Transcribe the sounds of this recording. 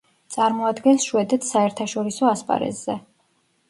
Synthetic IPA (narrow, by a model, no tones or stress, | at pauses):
t̪sʼaɾmɔad̪ɡɛnsʃuɛd̪ɛt̪ʰsaɛɾt̪ʰaʃɔɾisɔaspʼa̰ɾɛ̰zzɛ